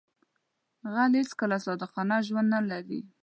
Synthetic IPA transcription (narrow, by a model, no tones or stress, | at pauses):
ɣalhet͡skəlasɑd̪əqɑnaʒwand̪nalaɾḭ